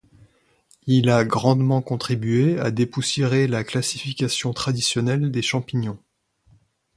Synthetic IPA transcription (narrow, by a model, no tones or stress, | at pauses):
ilaɡʁɑ̃d̪mɑ̃kɔ̃t̪χibɥea̰d̪epusjeʁelaklasifikʲasjɔ̃t̪χad̪isjɔnɛld̪eʃɑ̃piɲɔ̃